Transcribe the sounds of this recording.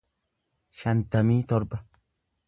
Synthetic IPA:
ʃant̪amiːt̪ɔɾba

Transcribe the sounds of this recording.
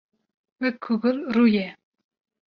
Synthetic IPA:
wɛkʰːuɡɨlrujɛ

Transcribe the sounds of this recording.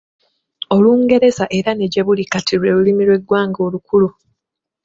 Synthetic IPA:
o̞luːŋɡe̞ɾe̞zaʔe̞ɾane̞ɟe̞βulikatʰiɾwe̞ːlulimiɾwe̞ɡwaːŋɡo̞ːlukulu

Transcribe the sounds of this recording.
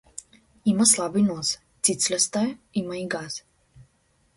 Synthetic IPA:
imaslaːbinos | t̪sit̪slɛst̪aimaiɡaz

